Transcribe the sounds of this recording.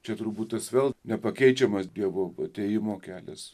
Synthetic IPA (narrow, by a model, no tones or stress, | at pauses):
t͡ʃʲɛt̪ʊɾbuːt̪t̪ɐsʋʲeːlˠnʲɛpɐkʲɛɪt͡ʃʲɛmɐsd̪ʲiɛʋoːɐt̪ʲeːjɪmoːkʲæːlʲɛ̰s